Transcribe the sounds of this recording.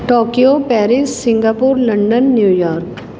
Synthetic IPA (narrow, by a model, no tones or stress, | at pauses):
ʈoːkijopɛːɾɪsːɪ̃ŋɡapuːɾlɐ̃ɳɖənːjuːjɔːɾk